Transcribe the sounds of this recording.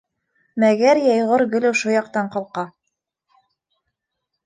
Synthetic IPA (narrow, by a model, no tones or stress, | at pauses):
mæɡæɾjɑjʁɤɾɡɵ̆lɘwʃujɑq̚t̪ɑɴqɤ̆lˠqɑ